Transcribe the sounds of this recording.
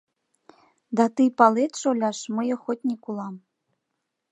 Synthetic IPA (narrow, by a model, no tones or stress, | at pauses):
d̪ɑt̪ɨpɑlet̪ʃolʲɑʃməjɤ̆xotʲnʲikulˠɑm